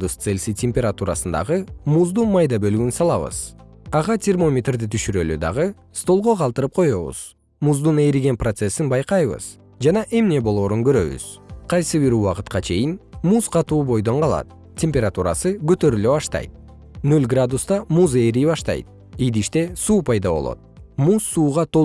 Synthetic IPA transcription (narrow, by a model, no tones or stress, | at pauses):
d̪ust̪selʲsitʲemʲpʲe̞ɾat̪uɾasɯnd̪ɑ̰ʁɯmuzd̪unmɑjd̪ɑbø̞lɡynsɑlˠɑβɯ̰z̥ɑʁɑtʲe̞rmo̞mʲet̪rd̪it̪ʰyʃyɾølyd̪ɑ̰ʁɯ | st̪o̞lˠʁo̞qʰɑlˠt̪ɯɾɯp̚qʰo̞jo̞βṵz̥ | muzd̪une̞jɾiɡe̞nprot̪se̞sinbɑjqɑjβɯ̰z̥ | d͡ʒɑnɑʔe̞mne̞bo̞lˠo̞ːɾuŋɡø̞ɾø̞̰βy̰z̥qʰɑjsɯβiɾuwɑqɯ̥t̪qɑt͡ʃʰe̞jinmuzqɑt̪uːbo̞jd̪o̞ɴqɑlˠɑ̰t̪̚ | tʲːe̞mʲpʲeɾat̪uɾɑ̰sɯɡø̞t̪ø̞ɾylø̞βɑʃt̪ɑ̰jt̪̚ | nølʲɡrad̪ust̪ɑmuze̞jɾibɑʃt̪ɑ̰jt̪̚ | id̪iʃt̪e̞suːpʰɑjd̪ɑβo̞̰lˠo̰t̪̚musːuːʁɑt̪ʰo